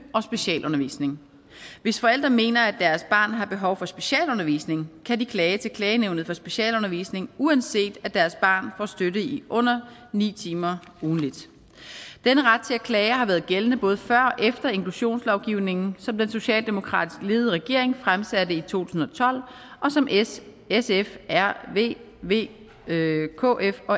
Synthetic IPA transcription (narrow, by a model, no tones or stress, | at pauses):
ʔɒ̽sb̥e̝ɕɛ̰ːlʔɔ̽nɐʋḭːsne̝ŋ | ʋe̝sfɒ̽el̰d̥ʁɐme̝̰ːnɐædd̥æɐsb̥ɑ̈ːnɦɑ̈b̥e̝ɦɒʊfɒ̽sb̥e̝̥ɕɛ̰ːlɔ̽nɐʋḭːsne̝ŋkʰædikʰlɛːət͡sʰe̝lkʰlɛːɪəneʊnð̩ˠfɒ̽sb̥e̝ɕɛ̰ːlɔ̽nɐʋḭsne̝ŋuænse̝̰ːd̥æd̥æɐsb̥ɑ̰̈ːnfɒ̰sd̥øɾəiʔɔ̽n̰ɐnḭːt͡sʰiːmɐ | uːn̩lid̥ | d̥enəʁɑ̈d̥̚t͡sʰe̝ækʰlɛːɪɐhɑ̈ʋæɐð̩ˠɡ̥elənəb̥ɔ̽ːð̞ˠəfɶɐ̰ʔefd̥ɐe̝ŋkʰluɕo̝̰ːnslɒʊɡ̥iʊne̝ŋn̩sɒ̽md̥enso̝ɕɛ̰ːld̥e̝mo̝kʰʁɑ̰̈ːd̥isɡ̥le̝ːð̩ˠəʁɛɡ̥e̝ɐ̰e̝ŋfʁamsæd̥əit͡sʰo̝̰ːt͡sʰu̥sn̩ɒ̽t͡sʰɒ̽l̰ | ɒ̽sɒ̽m | esefæɐ̰ḛ | ʋe̝̰ː | kʰo̰ʔefɒ̽